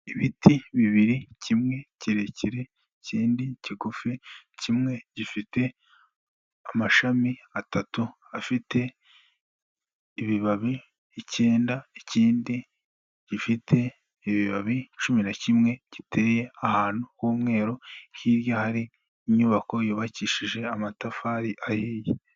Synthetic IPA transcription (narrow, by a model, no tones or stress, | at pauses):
iβitʰiβiβiɾicimŋe̞ciɾeciɾe̞ | ciːndiciɡuficimŋe̞ɟifite̞ | amaʃamiatatu | afite̞ | βiβaβiː | ce̞ːndaeciːndi | ɟ̥ifitʰe̞ | iβiβaβit͡ʃuminacimŋe̞ɟ̥itʰe̞ːje̞ahaːn̥ukuːmŋe̞ːɾo̞hiːɾjahaɾiː | ɲuːβako̞juːβaciːʃiʒe̞amatafaːɾiʔahiːje